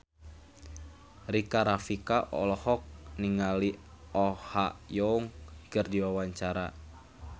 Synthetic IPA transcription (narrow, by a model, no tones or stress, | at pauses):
rikaɾafikaʔɔ̰lɔhɔk̚niŋali | ɔhajɔuŋkərdiwawaɲt͡ʃaɾa